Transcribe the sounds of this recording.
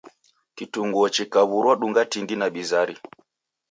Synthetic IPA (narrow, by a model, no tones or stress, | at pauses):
kituŋɡuɔt͡ʃikaβuɾwaɗuŋɡatindinaɓizaɾi